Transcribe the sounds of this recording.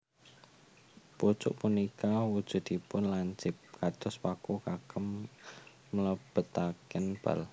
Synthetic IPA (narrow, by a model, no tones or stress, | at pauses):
put͡ʃʊ̰ʔpunikawud̥ʒ̥ʊ̤d̪̥ipʊnlaɲt͡ʃɪp̚kad̪̥ʊswakukakəmː | ələb̥ə̤t̪akɪnb̥a̰l